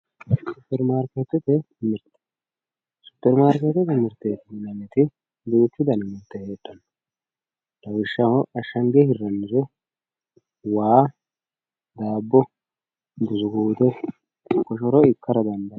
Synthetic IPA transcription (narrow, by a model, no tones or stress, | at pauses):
sʊpːɛɾmaːɾkɛt̪ːɛt̪ɛ | mɪɾt̪ | sʊ̥pːɛɾmaːɾkɛt̪ɛt̪ɛmɪɾt̪ːetnɐnɛt̪ɪ | d̪uːt͡ʃːɪd̪ɐnɛmɪɾt̪ːɛheːt̪ːɐn | d̪ɐwɪʃːɐhɔɐʃːɐŋɡɛhɪrːɐnːɪzɔ | waː | d̪aːbːɔ | d̪ʊzʊɡuːd̪ɛ | kɔʃɔɾɔɪkːɐɾɐd̪ɐnd̪ɐ